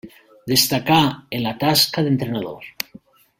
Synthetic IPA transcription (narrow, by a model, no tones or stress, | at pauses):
d̪e̞st̪akaenlat̪askaðent̪ɾenaðo̰ɾ